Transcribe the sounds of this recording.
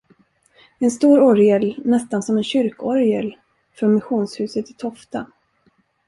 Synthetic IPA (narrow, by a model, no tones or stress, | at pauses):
ɛnst̪uːɾɔɾjɛlnɛst̪ansɔmɛnɕʏɾkɔɾjɛl | fɾɔnmɪɧuːnshʉ̟ːsət̪ɪ̥t̪ʰɔft̪a